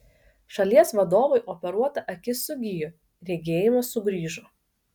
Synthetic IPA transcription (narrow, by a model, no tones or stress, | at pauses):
ʃɐlʲiɛsʋɐd̪oːʋɐɪʔɔpʲɛɾuɔt̪ɐʔɐkʲɪsʊɡʲijʊ | ɾʲɛɡʲeːjɪmɐsʊɡɾʲiːʒʊ